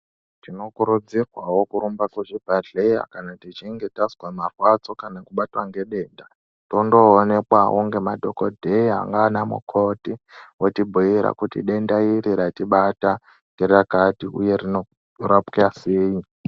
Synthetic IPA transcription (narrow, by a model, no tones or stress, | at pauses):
tino̞kuɾud͡zirwawo̞kuɾumbakwuʐibʱaɮeja̰kanatit͡ʃiŋɡe̞tazwamarwat͡so̞kanakuɓatwaŋɡe̞ɗe̞ːnda | tondo̞ːne̞kwaʔoŋɡe̞madʱo̞kodʱeia̰ŋɡaːnamṵkʰo̞tiwotibʱuiɾa̰kutḭɗe̞ndaiɾiɾatiɓata | ŋɡerakatiʔuje̞rino | rapkiaseːi